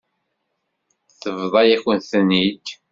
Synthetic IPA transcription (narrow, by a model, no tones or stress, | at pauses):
θəvðˤɑjæçənθənːid̪